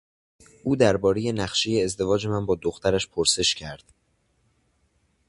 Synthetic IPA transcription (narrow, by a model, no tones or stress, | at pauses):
ʔuːd̪æɾbɒːɾe̞je̞næχʃe̞je̞ːzd̪e̞vɒːd͡ʒe̞mænbɒːd̪oxt̪ʰæɾæʃpʰoɾse̞ʃcʰæɾd̪̥